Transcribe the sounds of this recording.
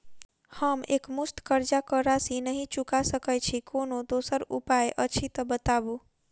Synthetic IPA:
həmekmust̪kəɾd͡ʒakəɾasinəɦĩt͡ʃukasəkət͡ʃʰikonod̪osəɾupajʔət͡ʃʰit̪əbət̪abu

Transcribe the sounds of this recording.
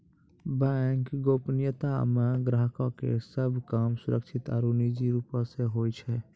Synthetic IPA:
bɛŋkɡoːpnjət̪amẽɡɾaːɦkãkḛsəbʱkaːmsʊɾə̰kʃʰɪt̪a̰ɾunid͡ʒiɾuːpãseɦoːit͡ʃʰɛ

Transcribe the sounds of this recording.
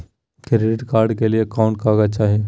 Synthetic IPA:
keɾeɖɪʈkaːɾɖkeliekaʊ̃ɳʈkaːɡat͡ʃaːɦie

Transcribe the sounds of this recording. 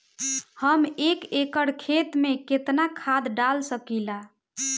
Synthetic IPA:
həmekekəɽkʰet̪meket̪nakʰad̪ɖalsəkila

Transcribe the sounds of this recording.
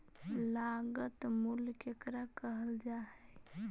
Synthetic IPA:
laɡət̪mulkekɾakəɦəld͡ʒaɦɛ

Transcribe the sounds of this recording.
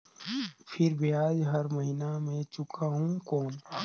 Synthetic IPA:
pʰɪɾbʱiaːd͡ʒɦɐɾmɐɦinamẽt͡ʃʊkʰaɦũkɔːn

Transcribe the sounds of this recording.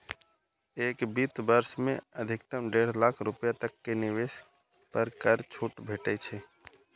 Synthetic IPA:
eːkbiːt̪bəɾsmẽəd̪ʱɪkt̪əmɖeːɽ̤laːkʰɾʊpjat̪əkːenɪʋeːs | pəɾkəɾt͡ʃʰuːʈbʱeːʈet͡ʃʰeː

